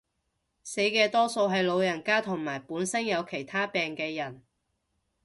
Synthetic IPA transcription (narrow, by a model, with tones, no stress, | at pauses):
se˨˥jkɛː˧t̪ɔː˥so˧wɦɐ˨jlo˨˧wjɐ˨˩nkaː˥t̪ʰʊ˨˩ŋmaː˨˩jpuː˨˥nsɐ˥ŋjɐ˨˧wkʰe˨˩jt̪ʰaː˥pɛː˨ŋkɛː˧jɐ˨˩n